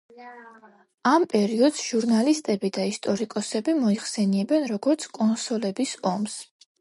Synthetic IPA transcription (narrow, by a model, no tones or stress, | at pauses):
ampʼɛɾiɔd̪̥sʒ̥uɾnalist̪ʼɛbid̪aist̪ʼɔɾikʼɔsɛbimɔiχsɛniɛbɛnɾɔɡɔɾt̪sʰkʼɔnsɔlɛbisɔms